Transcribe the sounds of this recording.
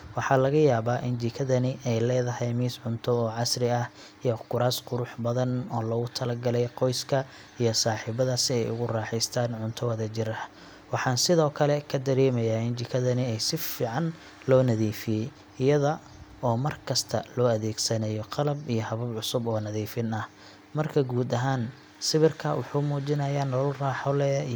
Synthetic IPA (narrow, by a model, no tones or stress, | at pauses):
wɑħɑːlɐɣɐjaːβaːʔɪnd͡ʒɪkʰɐðɐnɪʔɛjlɛːðɐhɛjmiːsʕʊnt̪ʰɔɔːʕɑsrɪɐh | ijɔkʰʊɾaːsqʊɾʊħbɐðɐnɔːlɔɣʊt̪ʰɐlɐɡɐlɛjqɔjskʰɐ | ijɔsaːħiːbɐðɐsɪɛjʊ̰ɣʊraːħɪst̪ʰaːnʕʊnt̪ʰɔwɐðɐt͡ʃɪɾɐh | wɑħɑːnsɪðɔːkʰɐlɛkʰɐd̪ɐɾɛːmɐjaːɪnt͡ʃɪkʰɐðɐnɪɛjsɪfiːʕɑn | lɔːnɐðiːfɪjɛj | ɪjɐðɐ | ɔːmɐrkʰɐst̪ʰɐlɔːɐðɛːɡsɐnɛjɔqɑlɐbijɔhɐβɐbʕʊsʊbɔːnɐðiːfɪnɐh | mɐrkʰɐɡuːd̪ɐɦaːn | sɪβɪrkʰɐwʊħuːmuːt͡ʃɪnɐjaːnɔlɔlraːħɔlɛjɐ